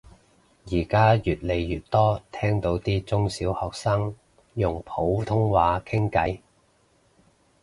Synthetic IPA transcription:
jiː˨˩kaː˥jyː˨t̚le˨˧jːyː˨t̚t̪ɔː˥t̪ʰɛː˥ŋt̪o˨˥wt̪iː˥t͡sʊ˥ŋsiː˨˥whɔː˨k̚saː˥ŋ | jʊ˨˩ŋpʰo˨˥wt̪ʰʊ˥ŋwaː˨˧˥kʰɪ˥ŋkɐ˨˥j

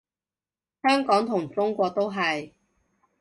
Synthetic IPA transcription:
hœː˥ŋkɔː˨˥ŋt̪ʰʊ˨˩ŋt͡sʊ˥ŋkʷɔː˧k̚t̪o˥wɦɐ˨j

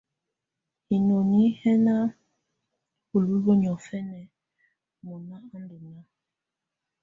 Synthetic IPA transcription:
hi˨no˨ni˦hɛ˦na˦ | u˨lu˦ɡo˦ɲ˨ɔ˨fɛ˦nɛ˨ | mɔ˨na˦a˦nde˨na˦

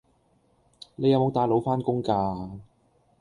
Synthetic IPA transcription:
ne˨˧jɐ˨˧wmo˨˧wt̪aː˨˧jlo˨˧˥wfaː˥nkʊ˥ŋkaː˧

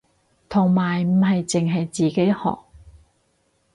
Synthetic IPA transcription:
t̪ʰʊ˨˩ŋmaː˨˩jm̩˨˩hɐ˨jt͡sɪ˨ŋɦɐ˨jt͡siː˨ke˨˥jhɔ̰ː˨k̚

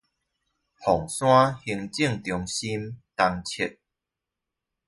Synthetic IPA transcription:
hɔ˨˩ŋsw̃ã˦hi˧ŋt͡ɕi˥˧˨ŋt̪jɔ˧ŋɕi˦mt̪a˧ŋt͡ɕʰjɛ˦˨t̚

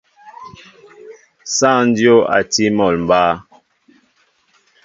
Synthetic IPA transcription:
sa˦˨n˦djo˦a̰˨ti˦mɔ˨lm̩˨baː˦

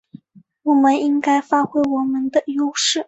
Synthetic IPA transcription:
wɔ˨˩mə˦ni˥ŋka˥ɪfa˥xwe˥ɪwɔ˨˩mə˦nd̪ə˨jo˥ʊʂɻ̩˥˩

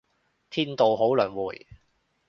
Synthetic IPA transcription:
t̪ʰiː˥nt̪o˨wɦo˨˥wlœː˨˩nwuː˨˩j

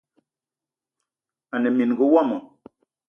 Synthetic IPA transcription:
a˨nɛ˨mi˨n˨ɡu˨˦wɔ˦˨mə˨

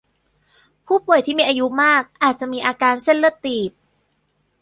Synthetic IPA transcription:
pʰuː˥˩pu˨˩əjt̪ʰiː˥˩miː˧ʔaː˧ju˦˥maː˥˩k̚ʔaː˨˩t̪̚t͡ɕa˨˩ʔmiː˧ʔaː˧kaː˧nse˥˩nlɯ˥˩ət̪iː˨˩p̚

